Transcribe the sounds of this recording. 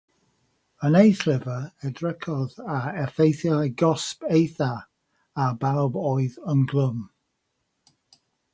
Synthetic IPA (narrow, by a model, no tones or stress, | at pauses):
ənejθlɪvəɛdɹɛkʰɔðaɛfejθjaɡɔspejθa | abaɔbɔɨðənɡlˠəm